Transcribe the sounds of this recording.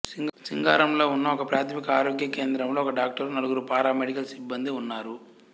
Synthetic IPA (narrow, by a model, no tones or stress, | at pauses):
sisiŋɡa̰ːɾɐmlo̞ːunːɐɔkɐpɾaːt̪ʰɐmikɐaːɾoːɡjɐke̞ːnd̪ɾɐmlo̞ːkɐɖaːk̚ʈɐɾunɐluɡuɾupaːɾaːmeɽikɐlsibːɐnd̪iunːaːɾu